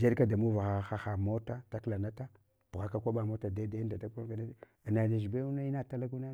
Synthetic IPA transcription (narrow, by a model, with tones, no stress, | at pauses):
d͡ʒe˦ɗka˦da˨mu˦va˨xa˨˦xa˦xa˨mo˦ta˦ta˦kla˨na˦ta˦ | b̥u˨ɣa˨ka˦kʷa˦ɓa˨mo˦ta˨da˦da˦nda˨ta˦ka˦a˨na˦˨ | na˨na˨ʃi˨be˦u˦na˦i˦na˦ta˦la˦ku˦na˦